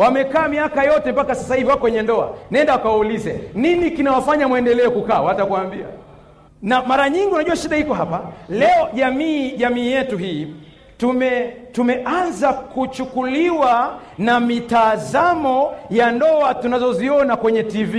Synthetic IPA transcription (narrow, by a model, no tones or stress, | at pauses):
wamɛkaːmiakajɔtɛmpakasasahiviwakɔwɛɲɛndɔa̰naɛndawakawaulizɛ̰ninikinawafaɲamwɛndɛlɛɔkukaːwatakuwambia̰ | namaɾaɲiŋɡiunaʄuaʃiɗahikɔɦapalɛɔʄamiːʄamiːjɛtuɦiː | tumɛtumɛʔanzakut͡ʃukuliwa | namitazamɔjandɔatunazɔziɔnakwɛɲɛtivi